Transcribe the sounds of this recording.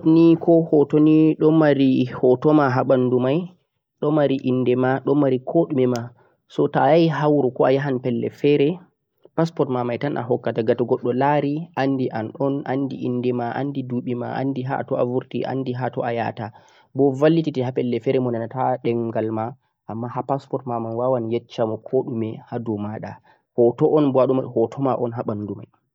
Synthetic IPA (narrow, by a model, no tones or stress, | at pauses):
tnikɔhɔtoniɗɔmaɾihɔtɔmaɦaɓandumaj | ɗɔmaɾiʔindɛmaɗɔmːaɾikʰoɗumɛma | sɔtajajɦawɾukɔajaɦanpɛlːɛ̰fɛɾɛ | paspɔɾtmamajtanʔa̰ɦɔkːataɡatɔɡɔɗːɔlaɾiʔandiʔanɗɔnʔandḭʔinːdɛmaʔa̰ndiduɓima̰ʔa̰ndiɦa̰tɔavuɾtiʔa̰ndiɦatɔ̰aja̰ta | bɔvalːititihapɛlːɛfɛɾɛmɔnanataɗɛŋɡalma | ʔamːahapaspɔtmamanwawanjɛt͡ʃːamɔkʰɔɗumɛhadɔmaɗa̰ | hɔtɔʔɔnbɔaɗumahɔtʰɔmaʔɔnɦaɓanːduma̰j